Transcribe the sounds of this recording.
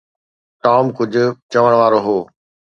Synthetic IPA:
ʈaːmkʊd͡ʑʱʊ̆t͡ɕɐʋəɽ̃ʋaːɾoɦoː

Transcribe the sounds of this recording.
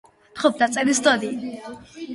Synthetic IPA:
t̪χɔp̚d̪at̪sʼɛlisd̪ɔd̪i

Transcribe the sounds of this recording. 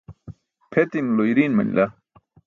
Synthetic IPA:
pʰet̪inloiɾiːnmɐ̰nḭlʔa

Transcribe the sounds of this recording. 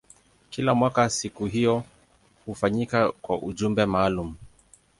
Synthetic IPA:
kilamwakasikuɦijɔ | hufaɲikakwaʔuʄumbɛmaːlum̩

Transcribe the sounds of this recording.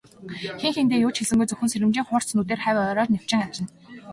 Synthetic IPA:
xeŋxent̪eːjʊːt͡ɕxeɮɘ̆ŋɡujt͡sɵxʲɘ̆nseɾʲɘ̆mt͡ɕiːŋχʊːr̥t͡snuːt̪eːrχæːwʲœːɾɔːt̪nʲaw̥t͡ɕɪ̆ŋat͡ɕɪ̆n

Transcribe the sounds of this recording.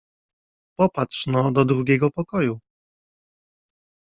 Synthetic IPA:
pɔpat̪ʂnɔd̪ɔd̪ɾuɡʲɛɡɔpɔkɔju

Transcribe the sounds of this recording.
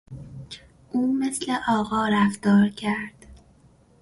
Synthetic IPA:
ʔuːmesleʔɒːɣɒːɾæft̪ɒːɾcʰæɾd̪̥

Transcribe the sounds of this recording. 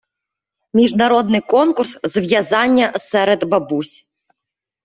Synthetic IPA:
mʲiʒnɐɾɔd̪nɪjkɔnkʊrszʋjɐzɑnʲːɐsɛɾed̪bɐbusʲ

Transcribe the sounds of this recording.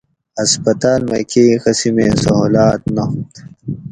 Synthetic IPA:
ɐspɐt̪aːlmɐ̰kexɐsimeːsɐɦoːlaːt̪nɐɦut̪

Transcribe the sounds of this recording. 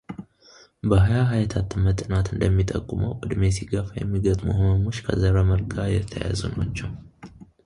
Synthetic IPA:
bəɦajaɦajt̪ʰat̪ɨmːət̪ʼɨnat̪ɨnd̪əmːit̪ʼəkʼːuməwʔʼɨd̪mesiɡəfajɛ̰mːiɡət̪ʼmuhoməmo̞t͡ʃːkʰəzəɾəməɾɡʰajɛt̪ʰːəja̰zuna̰t͡ʃːɛw

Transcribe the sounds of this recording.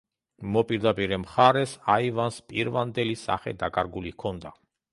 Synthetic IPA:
mɔpʼiɾd̪apʼiɾɛmχaɾɛsaivanspʼiɾvand̪ɛlisa̰χɛ̰d̪akʼaɾɡulikʰɔnd̪a

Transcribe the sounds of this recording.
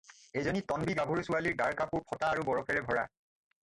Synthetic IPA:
ejzɔnitɔnbiɡabʱuɹsualiɹɡaɹkapuɹpʰɔtaːɹubɔɹɔkʰɛɹɛbʱɔɹa̰

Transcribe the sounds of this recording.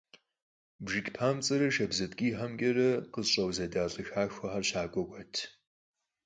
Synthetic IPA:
bʒɨkʲʼpʰaːmt͡sʼɐɾɐʃɐbzɐtkʲʼiːħɐmkʲʼɐɾɐqəzɕʼɐwzɐdaːɬʼɨxaːxʷɐħɐrʃaːkʷʼɔɡʷɐtʰ

